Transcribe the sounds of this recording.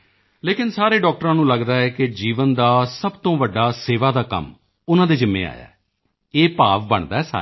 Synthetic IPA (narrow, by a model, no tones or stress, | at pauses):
leːkɪnsaːɾeːɖɔːk̚ʈəɾãːnũːləɡd̪aːɦɛːkɪd͡ʒiːʋənd̪aːsəbt̪õːʋəɖːaːseːʋaːd̪aːkə̰m | ʊnãːd̪eːd͡ʒɪmːḛ̃ːa̰ːja̰ː | eːpaːʋbəɳd̪aːɦɛːsa̰ː